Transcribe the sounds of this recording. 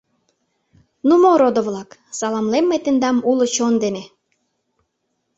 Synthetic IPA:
numoɾod̪oβlɑksɑlɑmlemːet̪ĕnd̪ɑmulŏt͡ɕond̪ene

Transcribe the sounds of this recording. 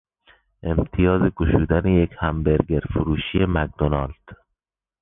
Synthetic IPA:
ʔe̞mt̪ʰijɒːzeɡoʃuːd̪ænejekʰhæmbeɾɡeɾfuɾuːʃije̞mæk̚d̪onɒːld̪̥

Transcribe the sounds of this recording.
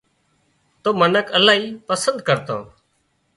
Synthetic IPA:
t̪oːmənəkʰəlaːɦiːpəsənd̪kəɾt̪õ̰ː

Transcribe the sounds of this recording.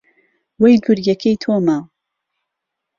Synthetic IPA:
wejd̪uɾjɛkʰejt̪ʰomaw

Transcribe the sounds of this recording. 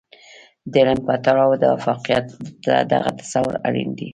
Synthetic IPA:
d̪eɾamkɑt̪aɽɑwd̪əwa̰fɑqijat̪ad̪aɣat̪ḁsawʊ̰ɾaɽḭnd̪i

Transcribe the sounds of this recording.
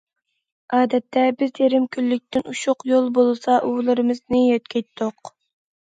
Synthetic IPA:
ɑːd̪ɛt̪ʰːɛbɪzjeɾɪmkʲʰylːyk̚ʲt̪ʰɪnuʃʊqjolˠbolˠsɑʔulˠɨɾɨmɨznɨjøt̪̚kʲʰɛjt̪ʰːoq

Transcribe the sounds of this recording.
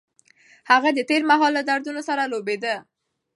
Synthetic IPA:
haɣad̪ət̪eɾmaɦɑlːad̪aɾd̪unosaɾalobed̪ə

